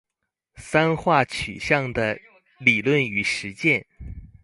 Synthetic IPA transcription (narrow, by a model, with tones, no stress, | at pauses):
sa˥nxwa˥˩t͡ɕʰy̰˨˩ɕjɑ˥˩ŋd̪ə˩ | li˨˩lwə˥˩ny˨˩ʂɻ̩˧˥t͡ɕjɛ˥˩n